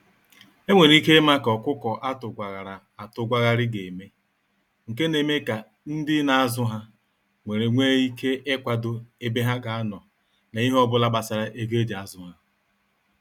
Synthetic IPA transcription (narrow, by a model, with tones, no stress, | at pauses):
e˦ŋʷe˨ɾi˦ke˦ma˦kɔ˨kʷʊ˦kɔ˨ʔa˦tʊ˨ɡʷa˨ɣa˨ɾa˨ | a˨tʊ˨ɡʷa˦ɣa˦ɾɪ˦ɡe˨me˦ | ŋ̩˨ke˦ne˨me˦ka˨ | n̩˦dɪ˦na˨a˦zʊ˦ɦa˦ | ŋʷe˨ɾe˨ŋʷe˦i˦ke˦ʔe˦kʷa˨dʊ˦e˦be˦ɦa˦ɡa˨a˦nɔ˨ | na˨i˦ɦɔ˦bʊ˦la˦ɡ͡ba˨sa˨ɾa˦ʔe˦ɡe˦d͡ʒa˨˦zʊ˦ɦa˦